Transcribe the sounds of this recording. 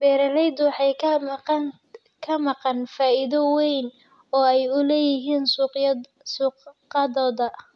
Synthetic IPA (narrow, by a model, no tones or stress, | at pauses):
b̥ɛːɾɐlɛjd̪ʊwɑħɑj | kʰɐmɑqɑnfaːʔɪðɔwɛjn | ɔːɛjʊlɛːjɪɦiːn | suːqqɑðɔːðɐ